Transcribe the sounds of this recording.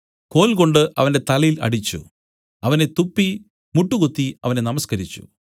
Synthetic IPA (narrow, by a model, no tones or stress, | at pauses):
ko̞ːlko̞ɳɖɨʔɐʋɐnde̞t̪ɐlɐjilɐ̰ɽit͡ɕːṵ | ɐʋɐne̞t̪upːi | muʈːukut̪ːiɐʋɐne̞nɐmɐskɐɾit͡ɕːṵ